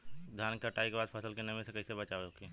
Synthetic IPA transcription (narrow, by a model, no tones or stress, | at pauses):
d̪ʱjaːnkəʈaːikebaːd̪pʰəsəlkenɐmẽsekɐisebɐt͡ʃaːʋeoke